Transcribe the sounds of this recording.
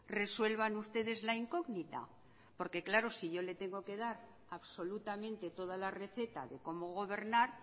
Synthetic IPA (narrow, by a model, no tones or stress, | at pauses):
re̞swe̞lβanust̪e̞ð̞e̞zlaiŋko̞ɣnit̪a̰ | po̞ɾke̞klaɾo̞siʝo̞le̞t̪e̞ŋɡo̞ke̞ðaɾ | aβso̞lut̪amẽ̞nt̪e̞t̪o̞ð̞alare̞θe̞t̪a̰ðe̞ko̞mo̞ɣ̞o̞βe̞ɾnaɾ